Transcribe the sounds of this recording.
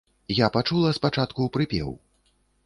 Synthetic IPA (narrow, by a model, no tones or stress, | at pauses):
japat͡ʂulˠɐspat͡ʂat̪kupɾɨpʲɛ̰w